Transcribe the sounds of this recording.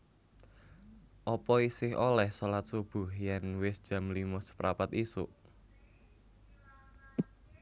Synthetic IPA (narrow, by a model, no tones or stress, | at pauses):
ʔɔpɔisɪɦolɛhsolat̪̚sub̥ʊ̤hjɛnwɪsd̥ʒ̥ä̤mlimʊsə̥pɾʔapat̪isṵʔ